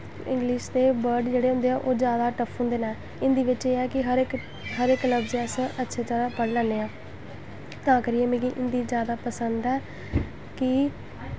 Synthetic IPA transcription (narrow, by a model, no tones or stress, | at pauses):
ɪ̰̃ŋɡlɪʃd̪eːbəɾɖd͡ʒeːɽeːɦʊ̃nd̪eːaːʔoːd͡ʒjaːd̪aːʈəpʰɦʊ̃nd̪eːnãː | ɪnd̪iːʋɪt͡ʃeːɛːkɪɦəɾk | ɦəɾɪkləbzɛsʔətːʃʰeːd͡ʒjaːd̪aːpəɽlɛːnːeːãː | t̪ãːkəɾiːeːmẽːkiʔɪnd̪iːd͡ʒjaːd̪aːpəsənd̪ɛː | kɪ